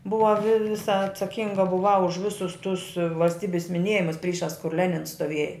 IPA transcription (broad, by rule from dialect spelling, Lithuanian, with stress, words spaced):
ˈbʊʋɐ ʋʲɪ ˈʋʲɪsɐ ɐtsɐˈkʲɪŋɡɐ bʊˈʋɐʊ ʊʃ ˈʋʲɪsʊs tʊs ʋɐlʲsʲˈtʲiːbʲɪs mʲɪˈnʲeːjɪmʊs ˈpʲrʲiːʃɑːs kʊr ˈlʲæːnʲɪns stoːˈʋʲiɛjɛ